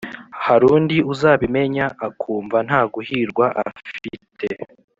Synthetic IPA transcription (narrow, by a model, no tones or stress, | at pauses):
haɾuːndiuzaːβime̞ɲaʔːkʰuːɱvan̥haːɡuhiɾɡwaʔa̰fitʰe